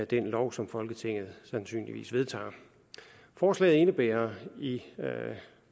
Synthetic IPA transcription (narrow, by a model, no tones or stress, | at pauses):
d̥enlɒʊsɒ̽mfɒ̽lɡ̥ət͡sʰe̝ŋ̰ð̞̩ˠsænsy̰ːnliʋḭːsʋe̝ð̞ˠt͡sʰɑ̰̈ː | fɒːslɛ̰ɪð̩ˠe̝nəb̥ḛːɐi